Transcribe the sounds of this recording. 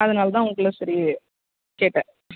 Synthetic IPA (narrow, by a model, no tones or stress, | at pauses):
ɐðɐnaːlɐt̪ãːʊŋɡɐɭːosɐɾi | keːʈːɛ̃